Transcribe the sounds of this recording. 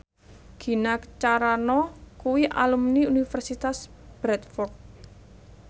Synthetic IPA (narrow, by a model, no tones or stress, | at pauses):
ɡ̥i̤nakt͡ʃaɾanɔkuwiʔa̰lumniunifɛrsit̪asb̥ɾɛt̪̚fɔrt̪̚